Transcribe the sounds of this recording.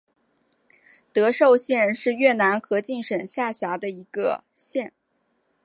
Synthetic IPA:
t̪ɤ˧˥ʂo˥˧ʊɕjɛ˥˧nʂɻ̩˥˧ɥɛ˥˩na˧˥nxɤ˧˥t͡ɕi˥˩ŋʂə˨˩ŋɕja˥˩ɕja˧˥d̪ə˧i˧˥ɡə̰˧ | ɕjɛ˥˩n

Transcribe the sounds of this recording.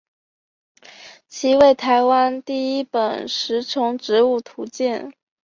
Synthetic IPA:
t͡ɕʰi˧˥we˥˩ɪt̪ʰa˧˥ɪwa˥nt̪i˥˩i˥pə˨˩nʂɻ̩˧˥ʈ͡ʂʰʊ˧˥ŋʈ͡ʂɻ̩˧˥u˥˩t̪ʰu˧˥t͡ɕjɛ˥˩n

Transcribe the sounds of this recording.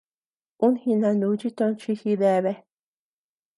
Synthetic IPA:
u˦nhĩ˧nã˧nũ˨˧˦t͡ʃi˦t̪õ˧nt͡ʃi˧hi˧ðe˧βe˧

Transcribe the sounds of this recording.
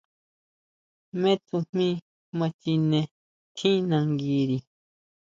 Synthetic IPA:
mẽ˦t̪u˧m̥ĩ˦ | mã˧t͡ʃi˧nẽ˧ | t̪ʰĩ˦nã˧˨ŋɡi˧ɾi˨

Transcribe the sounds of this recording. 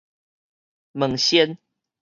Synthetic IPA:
mə˨˩ŋɕjɛ˦n

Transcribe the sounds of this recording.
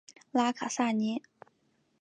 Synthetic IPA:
laː˥kʰa˩˨sa˥˨ɲi˩˥˨

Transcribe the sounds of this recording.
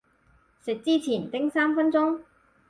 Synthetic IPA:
sɪ˨k̚t͡siː˥t͡sʰiː˨˩nt̪ɪ˥ŋsaː˥mfɐ˥nt͡sʊ˥ŋ

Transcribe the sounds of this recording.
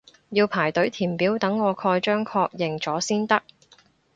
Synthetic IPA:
jiː˧wpʰaː˨˩jt̪ɵ˨˥ɥt̪ʰiː˨˩mpiː˨˥wt̪ɐ˨˥ŋːɔː˨˧kʰɔː˧jt͡ʃœː˥ŋkʰɔː˧k̚jɪ˨ŋt͡sɔː˨˥siː˥nt̪ɐ˥k̚

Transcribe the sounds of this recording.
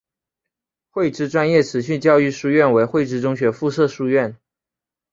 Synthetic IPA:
xwe˥˩ɪʈ͡ʂɻ̩˥ʈ͡ʂwa˥njɛ˥˩ʈ͡ʂʰɻ̩˨˧˥ɕ̬y˥˧t͡ɕjɑ˥˧ʊy˥˧ʂu˥˧ɥɛ˥˩nwe˧˥ɪxwe˥˩ɪʈ͡ʂɻ̩˥ʈ͡ʂʊ˥ŋɕɥɛ˧˥fu˥˧ʂɤ˥˩ʂu˥˧ɥɛ˥˩n

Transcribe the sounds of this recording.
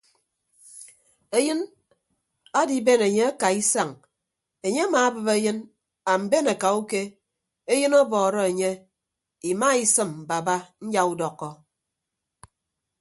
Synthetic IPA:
e˦jɨ˦n | a˦di˨˦be˦˨ne˨ɲe˦a˦ka˨i˦sa˦˨ŋ | e˨ɲe˦a˦maː˨˦bɨ˨be˦jɨ˦n | a˨m̩˨be˦na˨ka˨u˦ke˦ | e˦jɨ˦nɔ˦bɔː˨ɾɔ˦e˨ɲe˦ | i˨ma˦i˦sɨ˨m̩˨ba˨ba˦n̩˦d͡ʒa˦u˦dɔ˨kːɔ˦

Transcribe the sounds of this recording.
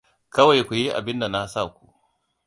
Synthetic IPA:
kɐ˦wa˨jkʷu˨ji˦ʔa̰˨bɪ˦nda˨na˦sa˦˨kʷu̥˨ʔ

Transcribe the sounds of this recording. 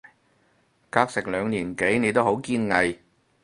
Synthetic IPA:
kaː˥k̚sɪ˨k̚lœː˨˧ŋliː˨˩nke˨˥jne˨˧jt̪̬o˥ho˨˧˥wkiː˥nŋɐ˧j

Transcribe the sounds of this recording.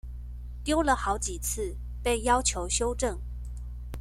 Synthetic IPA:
t̪jo˥ʊlə˨xɑ˧˥ʊt͡ɕi˨˩t͡sʰɹ̩˥˧ | pe˥˩ɪjɑ˥ʊt͡ɕʰjo˧˥ʊɕjo˥ʊʈ͡ʂɤ˥˩ŋ

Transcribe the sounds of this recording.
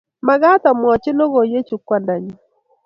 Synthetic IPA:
ma˨ɡa˦ta˨mwɔ˨t͡ʃɪ˦nɔ˦ɡo˨je˦t͡ʃu˨kwa˦˨nda˨ɲɔ˨

